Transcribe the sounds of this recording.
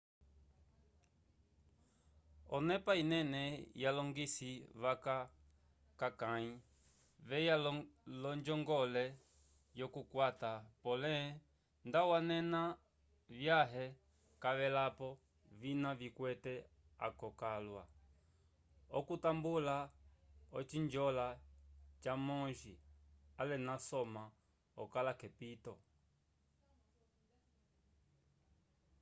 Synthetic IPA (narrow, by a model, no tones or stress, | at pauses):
ɔnɛpainɛnɛjalɔŋɡisiβaka | kakai | vɛjalɔɲd͡ʒɔŋɡɔlɛ | jɔkukwatapɔlɛ | ndawanɛna | vjaɦɛ | kaʋɛlapɔ | vinavikwɛtɛ | a̰kɔkalwa | ɔkutambula | ɔt͡ʃiɲd͡ʒɔlat͡ʃamɔʒialɛnasɔma | ɔkalakɛpitɔ